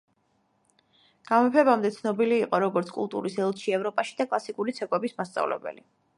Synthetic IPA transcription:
ɡ̥amɛpʰɛbamd̪ɛt̪sʰnɔbiliːqʼɔɾɔɡɔɾt̪sʰkʼṵlˠt̪ʼṵɾisɛlˠt̪ʃiɛvɾɔpʼaʃi̥d̪akʼlˠasikʼuɾit̪sʰɛkʼwɛbismast̪sʼa̰vlɛ̰bɛ̰li

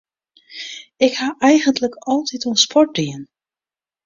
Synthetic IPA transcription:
ɪkhaʔɛjɣəntləkɔlˠtʰituənspʰɔɹt̚diən

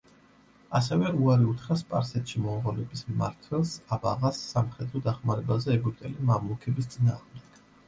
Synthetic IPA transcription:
asɛvɛuaɾiut̪ʰχɾaspʼa̰ɾsɛt̪ʃimɔmʁɔlɛbisma̰ɾt̪ʰwɛlˠsaba̰ʁasːamχɛd̪ɾɔd̪aχmaɾɛbazɛːɡup̚t̪ʼɛlimamukʰɛbis̬t̪sʼina̰ːʁmd̪ɛɡ̥

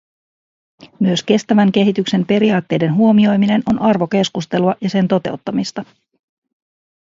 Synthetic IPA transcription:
myøske̞st̪æʋæŋke̞ɦit̪ykse̞mpe̞ɾiɑːt̪ːe̞jde̞nɦuo̞mio̞jmine̞no̞nɑrʋo̞ke̞skust̪e̞luɑjɑse̞nt̪o̞t̪e̞wt̪ːɑmist̪ɑ

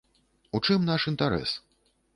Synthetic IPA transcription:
ut͡ʂɨmnaʂint̪aɾɛ̰s

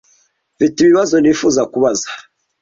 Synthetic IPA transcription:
vitiβiβazo̞nifuzakuβazḁ

